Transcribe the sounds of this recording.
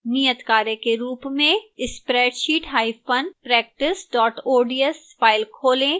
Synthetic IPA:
nijət̪kaːɾekeɾuːpmẽɪspɾɛːʈʃiːʈɦaːipənpɾɛːk̚ʈɪsɖɔːʈoːɖiəs | pʰaːɪlkʰoːlẽ

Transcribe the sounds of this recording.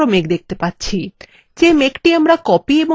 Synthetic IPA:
omekd̪ek̚ʰt̪epatːt͡ɕʰi | d͡ʑemekʈiamɾakɔpiebo

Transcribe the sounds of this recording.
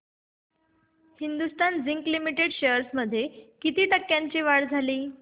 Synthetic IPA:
hind̪ust̪and͡ziŋklimiʈeɽɕeəɾsməd̪ʱːjekit̪iːʈəkːjaɲt͡ɕiːʋaɽd͡zʱaliː

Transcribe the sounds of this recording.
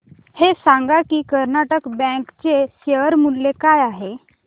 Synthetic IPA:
hesãŋɡakikəɾnaʈəkbɛ̃kt͡ɕeseəɾmullekaːjaɦe

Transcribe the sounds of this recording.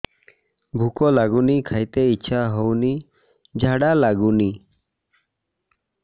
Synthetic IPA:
bʱukɔlaɡunikʰajt̪eiʃʰaɦowni | d͡ʒʱaɽalaɡuni

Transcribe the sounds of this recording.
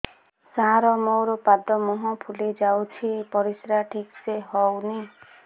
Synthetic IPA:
saɦaɾɔmoɾɔpad̪ɔmɔɦɔ̃pʰulid͡ʒawt͡ʃʰipɔɾisɾaʈʰikseɦɔwni

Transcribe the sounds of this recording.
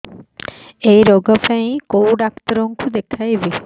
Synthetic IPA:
ejɾoɡɔpaẽkowɖakt̪ɾoŋkʰud̪ekʰajbi

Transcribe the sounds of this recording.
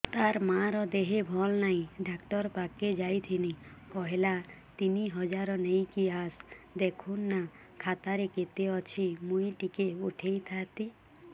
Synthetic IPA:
t̪aɾmaɾɔd̪eɦebʱɔlnaĩɖakʈɔɾpaked͡ʒajt̪ʰinikɔɦelat̪iniɦɔd͡ʒaɾɔnejkiasd̪ekʰunːa | kʰat̪aɾeket̪eɔt͡ʃʰimũĩʈikeuʈʰejt̪ʰat̪i

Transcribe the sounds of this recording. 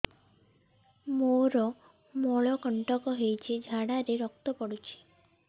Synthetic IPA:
moɾɔ | mɔɭɔkɔɳʈɔkɔɦejt͡ʃʰid͡ʒʱaɽaɾeɾɔk̚t̪ɔpɔɽut͡ʃʰi̥

